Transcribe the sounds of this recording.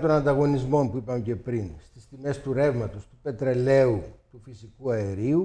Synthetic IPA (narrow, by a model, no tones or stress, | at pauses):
t̪o̞nɐnd̪ɐɣo̞nizmo̞mpuipɐmece̞pɾinst̪ist̪ime̞st̪uɾe̞vmɐt̪o̞st̪upe̞t̪ɾe̞le̞ut̪ufisikuɐe̞ɾiu